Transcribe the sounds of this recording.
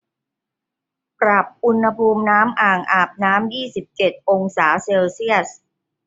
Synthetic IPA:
pɾa˨˩p̚ʔu˧nha˧pʰuː˧mnaː˦˥mʔaː˨˩ŋʔaː˨˩p̚naː˦˥mjiː˥˩si˨˩p̚t͡ɕe˨˩t̪̚ʔo˧ŋsaː˩˦seː˧wsi˥˩əs

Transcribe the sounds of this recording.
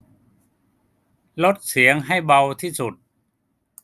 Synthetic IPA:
lo˦˥t̪̚si˩˦əŋɦa˥˩jba˧wt̪ʰiː˥˩su˨˩t̪̚

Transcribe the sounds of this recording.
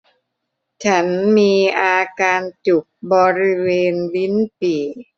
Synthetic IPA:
t͡ɕʰa˦˥nmiː˧ʔaː˧kaː˧nt͡ɕu˨˩k̚bɔː˧ɾi˦˥weː˧nwi˦˥npiː˨˩

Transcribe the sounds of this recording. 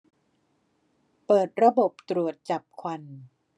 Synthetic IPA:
pɤː˨˩t̪̚ɾa˧bo˨˩p̚t̪ɾu˨˩ət̪̚t͡ɕa˨˩p̚kʰwa˧n

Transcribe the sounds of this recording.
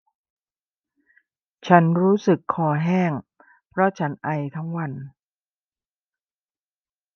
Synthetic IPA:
t͡ɕʰa˦˥nɾuː˦˥sɯ˨˩kʰːɔː˧ɦɛː˥˩ŋ | pʰɾɔ˦˥t͡ɕʰa˦˥nʔa˧jt̪ʰa˦˥ŋwa˧n

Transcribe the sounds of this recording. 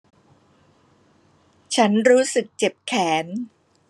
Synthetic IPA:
t͡ɕʰa˦˥nɾuː˦˥sɯ˨˩k̚t͡ɕe˨˩p̚kʰɛː˩˦n

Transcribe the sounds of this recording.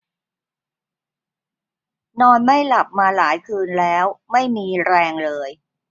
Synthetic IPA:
nɔː˧nma˥˩jla˨˩p̚maː˧laː˩˦jkʰɯː˧nlɛː˦˥wma˥˩jmiː˧ɾɛː˧ŋlɤː˧j

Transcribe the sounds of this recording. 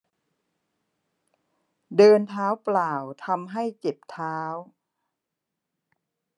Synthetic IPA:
dɤː˧nt̪ʰaː˦˥wplaː˨˩wt̪ʰa˧mɦa˥˩jt͡ɕe˨˩p̚t̪ʰaː˦˥w

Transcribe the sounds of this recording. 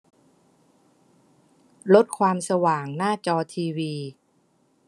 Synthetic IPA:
lo˦˥t̪̚kʰwaː˧msa˧waː˨˩ŋnaː˥˩t͡ɕɔː˧t̪ʰiː˧wiː˧

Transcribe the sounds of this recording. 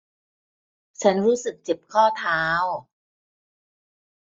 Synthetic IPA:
t͡ɕʰa˦˥nɾuː˦˥sɯ˨˩k̚t͡ɕe˨˩p̚kʰɔː˥˩t̪ʰaː˦˥w

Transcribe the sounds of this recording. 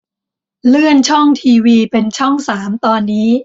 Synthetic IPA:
lɯ˥˩ənt͡ɕʰɔ˥˩ŋt̪ʰiː˧wiː˧pe˧nt͡ɕʰɔ˥˩ŋsaː˩˦mt̪ɔː˧nːiː˦˥

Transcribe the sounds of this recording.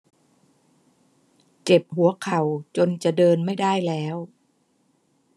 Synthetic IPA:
t͡ɕe˨˩p̚ɦu˩˦ɐkʰa˨˩wt͡ɕo˧nt͡ɕa˨˩ʔdɤː˧nma˥˩jda˥˩jlɛː˦˥w

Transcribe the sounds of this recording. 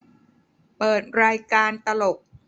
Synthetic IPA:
pɤː˨˩t̪̚ɾaː˧jkaː˧nt̪a˧lo˨˩k̚

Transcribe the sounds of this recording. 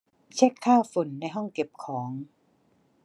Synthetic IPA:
t͡ɕʰɛ˦˥˩kʰːaː˥˩wfo˨˩˦nːa˧jɦɔ˥˩ŋke˨˩p̚kʰɔː˩˦ŋ

